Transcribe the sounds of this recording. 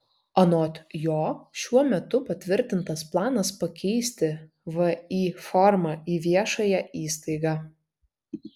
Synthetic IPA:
ɐnoːt̪ʲjoːʃʲuɔmʲɛt̪ʊpɐt̪ʲʋʲɪɾʲt̪ʲɪnt̪ɐsplˠɑːnɐspɐkʲʰɛɪsʲt̪ʲɪ | ʋɐiːfɔɾmɑiːʋʲiɛʃɐjɛʔiːst̪ɐɪɡɑː

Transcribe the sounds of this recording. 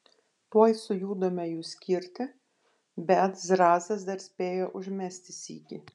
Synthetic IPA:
t̪uɔjsʊjuːd̪omʲɛjuːsʲkʲɪɾʲt̪ʲɪ | bʲɛt̪zɾɑːzʲɐs̬d̪ɐɾsʲpʲeːjoːʔʊʒʲmʲæsʲt̪ʲɪsʲḭːkʲɪ

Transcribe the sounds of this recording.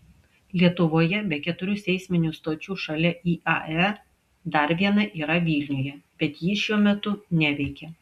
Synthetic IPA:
lʲiɛt̪ʊʋoːjɛbʲɛkʲɛt̪ʊɾʲʊsʲɛɪsʲmʲɪnʲuːst̪oːt͡ʃʲuːʃɐlʲɛiːʔɑ̰ɛ | d̪ɐɾʋʲiɛnɐʔiːɾɐʋʲiːlʲnʲujɛbʲɛt̪jiːʃʲuɔmʲɛt̪ʊnʲæʋʲɛɪkʲɛ

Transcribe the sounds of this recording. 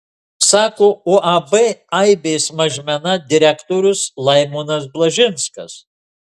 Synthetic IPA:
sɑːkoːoːʔɐbɛɐɪbʲeːsmɐʒʲmʲɛnɐd̪ʲɪɾʲækt̪oːɾʲʊslˠɐɪmʊnɐs̬blˠɐʒʲɪnskɐs

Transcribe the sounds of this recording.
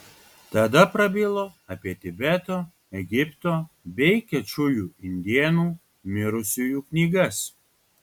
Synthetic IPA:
t̪ɐd̪ɐpɾɐbʲɪlˠoːɐpʲiɛt̪ʲɪbʲɛt̪oː | ɛɡʲɪpt̪oː | bʲɛɪkʲɛt͡ʃʲʊjuːɪnʲd̪ʲiɛnuː | mʲɪɾʊsʲʊjuːknʲiːɡɐs

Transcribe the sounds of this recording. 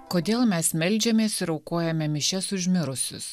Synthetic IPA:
koːd̪ʲeːlˠmʲɛsmʲɛlʲd͡ʒʲɛmʲeːsɪɾɒʊkoːjɛmʲɛmʲɪʃʲɛsʊʒʲmʲɪɾʊsʲʊ̰s

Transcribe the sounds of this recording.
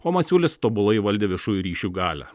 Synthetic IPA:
oːmɐsʲuːlʲɪst̪oːbʊlˠɐɪʋɐlʲd̪ʲeːʋʲɪʃuːjuɾʲiːʃʲuːɡɑːlʲæ̰

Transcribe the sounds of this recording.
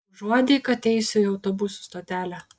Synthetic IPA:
ʒuɔd̪ʲɛɪkɐt̪ʲɛɪsʲʊɪɐʊt̪oːbʊsu̥st̪oːt̪ʲæːlʲæ

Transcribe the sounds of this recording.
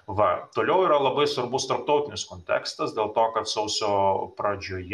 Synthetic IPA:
ʋɐt̪oːlʲɛʊiːɾɐlˠɐbɐɪsʋɐɾbʊst̪ɐɾp̚t̪ɒʊt̪ʲɪnʲɪskoːnʲt̪ʲæ̰ːkst̪ɐsd̪ʲeːlˠt̪oːkɐt̪sɐʊsʲoːpɾɐd͡ʒʲoːj

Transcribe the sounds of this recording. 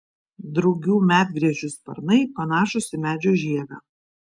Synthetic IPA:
d̪ɾɐʊɡʲuːmʲæːd̪̚ʲɡɾʲiɛd͡ʒʲʊspɐ̰ɾnɐɪpɐnɑːʃʊsʲɪmʲæːd͡ʒʲoːʒʲiɛɡɑ̰ː

